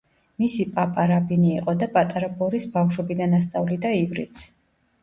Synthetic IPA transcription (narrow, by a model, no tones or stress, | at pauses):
misipʼapʼaɾabiniːqʼɔd̪apʼat̪ʼaɾabɔɾisbafʃwɛbid̪anast̪sʼavlid̪aivɾḭt̪sʰ